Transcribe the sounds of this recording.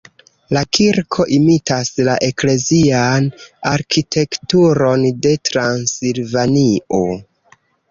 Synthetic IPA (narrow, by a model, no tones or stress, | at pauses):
lakʰiɾkʰo̞ʔimitaslaʔe̞kle̞zianaɾkʰitʰe̞ktuɾo̞nde̞tɾansilvanio̞